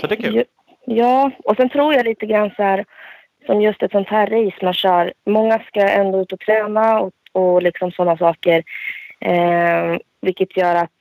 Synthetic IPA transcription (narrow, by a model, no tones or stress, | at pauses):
d | jɑːɔsɛnt̪ʰɾuːɾjaliːt̪əɡɾanːsɔhæːɾ | sɔmjɵst̪ɛt̪sɔnt̪hæːɾːɛjsmanɕœːɾmɔŋːaskaɛ̰nd̪oːʉ̟ːt̪ɔt̪ʰɾɛːnaɔɔlɪksɔmsɔnːasɑːkəɾ | vɪlkːət̪ʰjœːɾat̪